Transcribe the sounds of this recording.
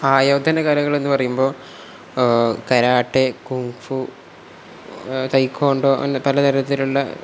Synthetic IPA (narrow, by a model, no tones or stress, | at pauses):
aːjoːd̪ʱːɐnɐkaːɾɐɣɐɭe̞nːɨpɐrɐjumbo̞ː | kɐɾaːʈːekuŋfu | t̪ɐjkʰːoːɳɖoːʔḛnːpɐlɐt̪ɐɾɐnɐt̪ːiluɭːɐ̰